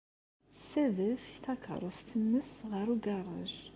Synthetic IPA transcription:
sæðəfiθɑkə̰ɾˤost̪ənːəsʁəɾuɡɑrˤɑ̰ʒ

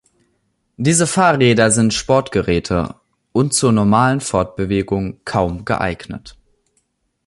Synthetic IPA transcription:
d̥iːzəfaːʁɛːdɐzɪntʃpɔɐtɡ̥əʁɛːtʰə̰ | ʔʊnt̚t͡suːɐnɔɐmaːlənfɔɐt̚b̥əveːɡʊŋkʰaʊmɡə̰ʔa̰ɪɡnə̰t

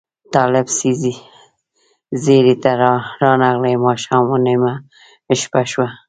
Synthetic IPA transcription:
t̪ɑlɪbsizi | zeɾit̪aɾɾɑnaɣlejmɑʃɑmunema | ʃpaʃwa

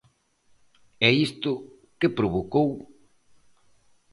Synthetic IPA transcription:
ɛist̪ʊ | kɪpɾoβokow

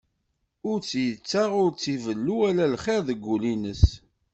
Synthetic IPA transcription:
ʊɾt͡sːjət͡sːaʁʊɾt͡sːivəlːuælælχeɾðəɡʷːulinəs

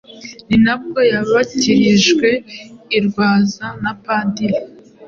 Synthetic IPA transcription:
ninab̚ɡo̞jaβaciɾiʒɡwe̞iɾɡwaːzanapaːndiɾi

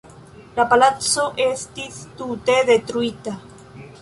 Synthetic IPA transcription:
lapalatt͡soʔest̪iθt̪ut̪eðet̪ɾuit̪a

